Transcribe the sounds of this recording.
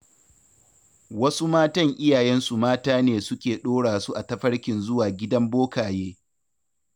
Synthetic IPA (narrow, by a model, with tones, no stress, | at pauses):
wɐ˦su˦maː˦tɐ˦ŋʔɪ˦jaː˨jɛ˦nsu˨maː˦taː˦neː˨sʊ˦kʲeː˨ɗoː˦ɽaː˨su˦ʔa˨tɐ˦ɸɐ˦ɽkʲɪ˨nzʊ˦waː˨ɡʲɪ˦dɐ˦mboː˦kaː˨jeː˦